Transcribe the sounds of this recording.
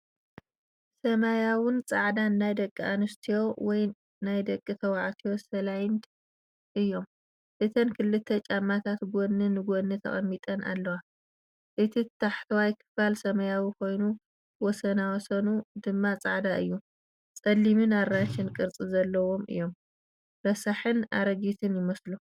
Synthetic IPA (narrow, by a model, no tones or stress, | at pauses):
sɐmajawɨnt͡sʼaʕd̪anːajd̪ɐkʼːia̰nɨst̪ʰijo̞wɔj | najd̪ɐkʼːɨt̪ʰɐwaʕt̪ʰijosɐlajn | ʔɨjːo̞m | ʔɨt̪ʰɐnkʰɨlːɨt̪ʰːɐt͡ʃʼamːat̪ʰat̪ɡonɨnɨɡonːɨt̪ʰɐ̰χʼɐ̰mːit̪ʼɐnʔa̰lːɐwa | ʔɨt̪ʰit̪ʰaħt̪ʰɐwajkʰɨ̥falsɐmɐjawikʰo̞jnu | wɔsɐnawɔsɐnud̪ɨmːat͡sʼaʕd̪aʔɨ̰jːu | t͡sʼɐlːimɨnaɾːat͡ʃːɪnkʼɨɾt͡sʼizɐlːɐwo̞mɨ̰jːo̞m | bɐsaħɨna̰ɾɐɡit̪ʰɨnjɪmɐslu